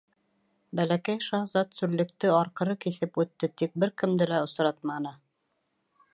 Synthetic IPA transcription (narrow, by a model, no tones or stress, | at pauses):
bælækæjʃɑzɑt̪sʉɾlɘ̆k̚t̪ɘɑɾqɤ̆ɾɤkiθɘpʉt̪ːɘt̪ik̚bɘɾkɘ̆md̪ɘlæŏsɾɑt̪̚mɑnɤ